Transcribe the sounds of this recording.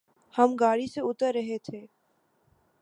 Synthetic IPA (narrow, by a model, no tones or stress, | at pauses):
hɐmɡaːɽiseʊt̪əɾːɐɦet̪ʰeː